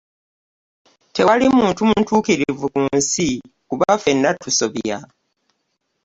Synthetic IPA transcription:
te̞walimuːntumuntuːkiɾiivukuːnsi | kuβafe̞nːatʰuso̞βja̰

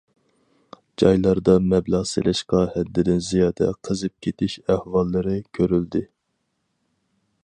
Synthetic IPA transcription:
d͡ʒɑjlˠɑɾd̪ɑmɛblɑʁsḛlʔɪʃqɑhɛd̪ːɪd̪ɪnzijɑːd̪ɛ̰qʰəzɨp̚kʲʰet̪ʰɪʃæhwɑlˠːɨɾɨkʲʰøɾyld̪ɪ

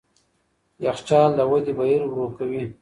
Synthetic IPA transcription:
jaxt͡ʃɑld̪awad̪ebajiɾwɾokawi

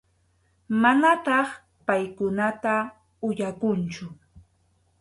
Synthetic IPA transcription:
manat̪ɑχ | pajkʊnat̪a | ʊjakʊnt͡ʃʊ

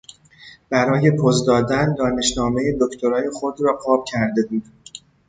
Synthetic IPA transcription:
b̥æɾɒːje̞pʰozd̪ɒːd̪ænd̪ɒːne̞ʃnɒːme̞jed̪o̞ct̪ʰo̞ɾɒːje̞xo̞d̪ɾɒːqɒːb̥̚cʰæɾd̪e̞buːd̪̥

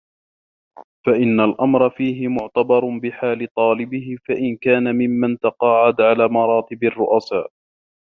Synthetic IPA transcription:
faʔɪnːalʔamɾˤɑfiːɦɪmʊʕt̪abɑɾˤbɪħaːlɪt̪ˤɑːlɪbɪhɪfaʔɪnkaːnamɪmːant̪ɑqɑːʕad̪ʕalaːmɑɾˤɑːt̪ɪbɑrːʊʔasaːʔ

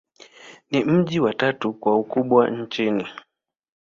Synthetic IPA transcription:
nim̩ʄiwatatukwaukuɓwaɲ̩t͡ʃini

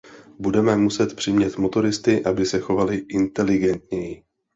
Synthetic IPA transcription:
budɛmɛmusɛt̪pr̥ɪmɲɛt̪mo̞t̪o̞ɾɪst̪ɪʔabɪsɛxo̞valɪʔɪnt̪ɛlɪɡɛnt̪ɲɛjɪ

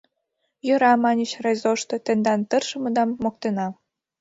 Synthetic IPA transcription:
jŏɾɑmɑnʲət͡ɕrezoʃt̪ŏt̪ĕnd̪ɑnt̪ɤ̆rʃɤ̆mɤ̆d̪ɑmːok̚t̪enɑ

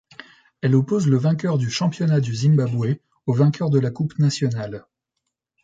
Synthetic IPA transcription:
ɛlɔpozləvɛ̃k̬ʲœʁd̪yʃɑ̃pjɔnad̪yzimbabwɛ | ovɛ̃kʲœʁd̪əlakupnasjɔnal

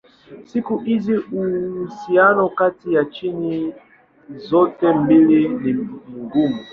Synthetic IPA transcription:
sikuʔiziusianɔkatijat͡ʃini | zɔtɛm̩beleniŋɡumu

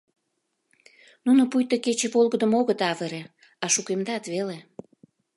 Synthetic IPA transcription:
nunopujt̪əket͡ɕĕβolɣəd̪ə̆moɣət̪ɑvəɾe | ɑʃukemd̪ɑt̪βele

